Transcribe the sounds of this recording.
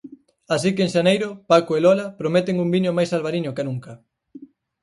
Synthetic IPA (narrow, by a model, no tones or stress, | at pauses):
asikeeŋʃanejɾʊpakoelɔlapɾomɛt̪ɪŋumbiɲomajsalβaɾiɲokenuŋkɐ